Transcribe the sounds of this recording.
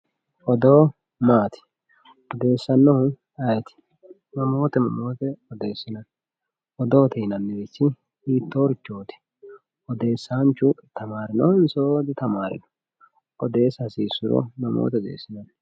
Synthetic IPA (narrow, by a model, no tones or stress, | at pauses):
ʔɔd̪oː | maːt̪ɪ̥ | ɔd̪e̞ːsːɐnːɔhʊ | ɐjt̪ɪ̥ | mɐmoːt̪ɛmɐmoːt̪ɛɔd̪eːsːɪnɐn | ʔɔd̪oːt̪iːnɐnːɛbɪt͡ʃːɪ | iːt̪ːoːɾɪt͡ʃːoːt̪ɪ̥ | ɔd̪e̞ːsːant͡ʃːʊt̪ɐmaːɾɪnɔnsoːd̪ɪt̪ɐmaːɾɪ̰nɔ̥ | ʔɔd̪e̞ːsɐsiːsːʊɾɔ̰mɐmo̰ːt̪ɛɔd̪ḛːsːɪnɐn